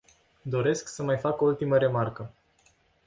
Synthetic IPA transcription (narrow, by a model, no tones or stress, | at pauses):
d̪o̞ɾe̞sksəmajfakoult̪iməɾe̞markə